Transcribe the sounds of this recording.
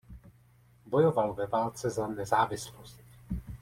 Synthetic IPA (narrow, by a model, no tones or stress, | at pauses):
bo̞jovalvɛvaːlt͡sɛzanɛzaːvɪslost̪